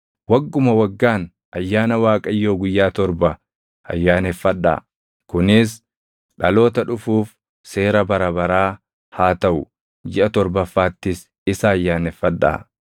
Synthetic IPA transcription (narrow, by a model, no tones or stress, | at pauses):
wɐɡːʊmɐwɐɡːaːn | ʔɐjːaːnɐwaːkʼɐjːo̞ːɡʊjːaːt̪ɔɾbɐ | ɐ̰jːaːnɛfːɐᶑːa̰ː | kʊnɪs | ᶑɐlo̞ːt̪ɐᶑʊfuːf | se̞ːɾɐbɐɾɐbɐɾaː | haːt̪ɐʔʊ | d͡ʒɪʔɐt̪ɔɾbɐfːaːt̪ːɪs | ɪsaːjːaːnɛfːɐᶑːa̰ː